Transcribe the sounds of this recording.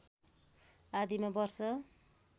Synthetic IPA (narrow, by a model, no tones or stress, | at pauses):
ad̪ʱimabʌrsʌ